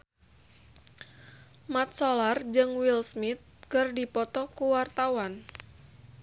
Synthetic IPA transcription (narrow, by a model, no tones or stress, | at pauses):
mat̪̚sɔlard͡ʒɨŋwilsmit̪̚kɨrdipɔt̪ɔkuwart̪awan